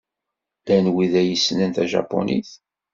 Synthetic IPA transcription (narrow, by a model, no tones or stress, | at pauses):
ænwiðæjəsːnænt̪æʒɑ̰pːo̰nʔḭθ